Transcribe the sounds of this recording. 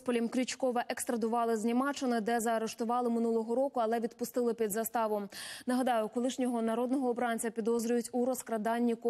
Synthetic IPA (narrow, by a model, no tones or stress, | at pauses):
pɔlʲimkɾʲit͡ʃkɔʋɐʔekst̪ɾɐd̪ʊʋɑlˠɪzʲnʲimɑt͡ʃɪnɪd̪ɛzɐɐɾeʃt̪ʊʋɑlˠɪmɪnulˠɔɦɔɾɔkʊɐlˠɛʋʲid̪pʊst̪ɪlˠɪpʲid̪zɐst̪ɑʋɔmnɐɦɐd̪ɑjʊkɔlˠɪʃnʲɔɦɔnɐɾɔd̪nɔɦɔːbɾɑnʲt͡sʲɐpʲid̪ɔzɾʲʊjʊtʲuɾɔskɾɐd̪ɑnʲːik